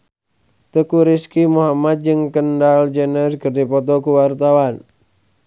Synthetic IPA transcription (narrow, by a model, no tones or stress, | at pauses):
t̪əkuɾiskimuɦamat̪̚d͡ʒɨŋkəndald͡ʒənərkərdipɔt̪̬ɔkuwart̪awan